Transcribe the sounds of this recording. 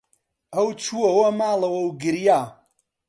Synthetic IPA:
ɐwt͡ʃʰuɐwɐmaːlˠɐwɐwɡɨɾjaː

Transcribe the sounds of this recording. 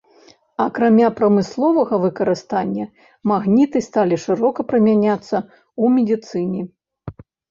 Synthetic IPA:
ɐkɾamʲapɾɐmɨslˠɔvɐɣɐvɨkɐɾɨst̪anʲːɐ | maɣnʲit̪ɨst̪alʲiʂɨɾɔkɐpɾɨmʲanʲat̪sːɐ | umʲid̪ʲit̪sɨnʲi

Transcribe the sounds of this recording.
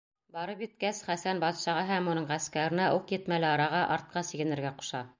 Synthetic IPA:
bɑɾɤpjɘ̆t̪̚kæsχæsænbɑt̪ʃɑʁɑɦæmunɤɴʁæskæɾɘ̆næʔuqjɘ̆t̪mælɘɑɾɑʁɑʔɑɾt̪̚qɑsiɡɘ̆nɘ̆ɾɡæqu̥ʃɑ

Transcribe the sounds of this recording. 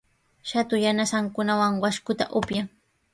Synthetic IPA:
ʃat̪ʊjanasaŋkʊnawaŋwaʃkʊt̪a̰ʔʊpjaŋ

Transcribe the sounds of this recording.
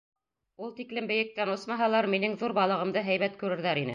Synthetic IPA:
ulˠt̪iklɘmbɘ̆jɘ̆k̚t̪ænosmɑɦɑlˠɑɾminɘŋðuɾbɑlˠɤ̆ʁɤ̆md̪ɤɦæjβæt̪kʉɾɘ̆ɾðæɾinɘ̰

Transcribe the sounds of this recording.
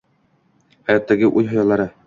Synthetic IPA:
hæjɑt̪ːæɡɘʔuj̪ɦŏjɑlˠɑɾɤ

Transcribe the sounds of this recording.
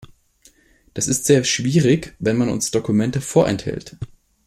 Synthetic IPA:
d̥asɪstz̥eːɐʃv̥iːʁɪçvɛnmanʊ̰nsd̥okumɛntəfoːɐʔɛ̰nthɛ̰lt

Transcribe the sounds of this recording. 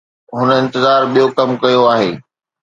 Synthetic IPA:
ɦʊnəɪ̃nt̪ɪzaːɾɓijokɐmkɐjoaːɦeː

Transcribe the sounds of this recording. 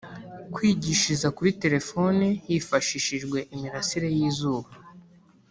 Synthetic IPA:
kwiːɟiʃizakuɾite̞ɾefo̞nijifaʃiːʃiʒɡwe̞ʔimiɾasiɾe̞jiːzuːβa

